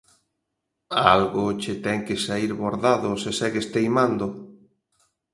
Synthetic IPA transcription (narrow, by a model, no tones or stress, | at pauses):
alɣʊt͡ʃet̪ɛŋkɪsaiɾβoɾðaðʊsesɛɣest̪ejmand̪ʊ